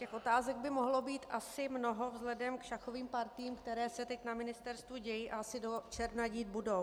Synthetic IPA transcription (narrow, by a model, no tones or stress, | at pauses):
cɛxʔo̞t̪aːzɛɡ̚bɪmoɦlo̞biːt̪ʔasɪmno̞ɦo̞vzlɛdɛmkʃaxo̞viːmpaɾt̪iːmkt̪ɛɾɛːsɛt̪ɛcnamɪnɪst̪ɛɾst̪vuɟɛjiːʔaasɪdot͡ʃɛɾnaɟiːd̪̚budo̞w